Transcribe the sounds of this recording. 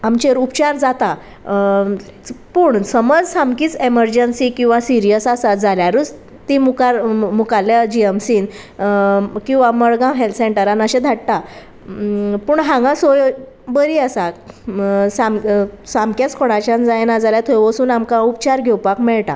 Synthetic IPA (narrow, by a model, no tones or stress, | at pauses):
amt͡ɕeɾupt͡ɕaɾd͡zat̪a | puːɳsəməd͡zsãmkiːt͡seməɾd͡ʑənsikĩw̃ʋasiɾijəsasad͡zaljaɾuːt͡s | t̪imukaɾmukaljad͡ʑiemsiːn | kĩw̃ʋaməɭɡãɦelseɳʈəɾanəɕẽd̪ʱaʈt̪a | puːɳɦãŋɡãsoj | bəɾiasa | sãmsamkjat͡skʰɔɽ̃at͡ɕãnd͡zajenad͡zaljat̪ʰojʋəsuːnamkaupt͡ɕaɾɡʱɛwpakmɛɭʈa̰